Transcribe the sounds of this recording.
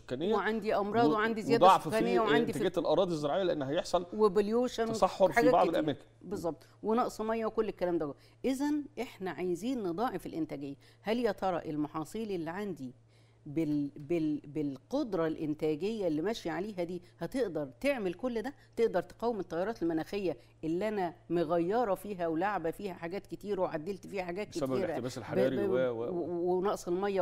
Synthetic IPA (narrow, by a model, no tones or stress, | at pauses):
so̥kːænejːweʕand̪iʔɑmɾˤɑːd̪ˤweʕand̪izejæːd̪æsokːæːnejːæweʕand̪iææːt̪elʔɑɾˤɑːd̪ˤizːeɾˤɑʕejːæleʔenːɦæjeħsˤɑlwebeljoːʃænwesɑħːoɾħaːɡæbɑ̰ʕd̪lʔæmeːɾk | bezˤːɑb̚t̪ˤwenɑʔsˤmɑjːæwekolːekːælæːmd̪æw | ʔezænʔeħnæʕajziːnned̪ˤɑːʕefelʔent̪æːɡejːæ | hæljæt̪ʰɑɾˤɑʔelmɑħɑːsˤiːlelːiʕand̪i | bebebelqod̪ɾˤɑlʔent̪æːɡejːælːimæʃiʕaleːɦæd̪iːhæt̪eʔd̪ɑɾˤt̪eʕmelkolːd̪æ | t̪eʔd̪ɑɾˤt̪e̥qɑwemet̪ˤːɑjːɑɾˤɑːt̪elmænæːxejːæ | ʔelːiʔænæmoɣæjːɑɾˤɑfiːɦæwelaʕbæfiːhæħaɡæːt̪ket̪iːɾweʕad̪ːelt̪fiːhæħaɡæːt̪keiːɾææe | wenɑʔsˤelmɑjːæ